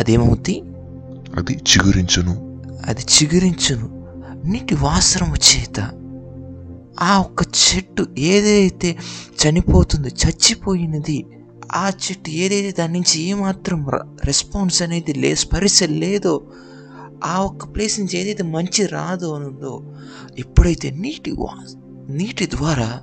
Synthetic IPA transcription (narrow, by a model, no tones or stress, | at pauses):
ɐd̪eːmɐwut̪i | ɐ̰d̪it͡ʃiɡiɾiɲt͡ʃɐnu | ɐ̰d̪it͡ʃiɡɐɾiɲt͡ʃɐnu | niːʈiʋaːsɐɾɐmɐt͡ʃːɛːjt̪aː | aːɔkːɐt͡ʃeʈːueːd̪ɐjt̪e̞ːt͡ʃɐnipo̞ːt̪und̪it͡ʃɐɾt͡ʃːipo̞ːjinɐd̪i | aːt͡ʃeʈːueːd̪ɐjt̪e̞ːd̪aːnːuɲt͡ʃiɛːmaːt̪ɾɐm | ɾespaːnsɐne̞ːd̪ileːspʰɐɾisɐleːd̪oː | aːɔkːɐpleːsnit͡ʃeːjd̪ɐjt̪eːmɐɲt͡ʃiɾaːd̪uɐnund̪o̞̰ː | ipːuɽɐjt̪e̞̰ːniːʈiʋa | niːʈid̪ʋaːɾaː